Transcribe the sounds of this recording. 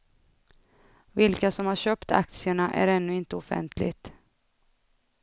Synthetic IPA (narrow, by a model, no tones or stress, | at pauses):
vɪlkasɔmhaɕøːpt̪a̰k̚t̪sɪəɳaʔæ̰ɾɛnːɵɪnt̪əɔfɛ̰nt̪ʰlɪ̰ɡt̪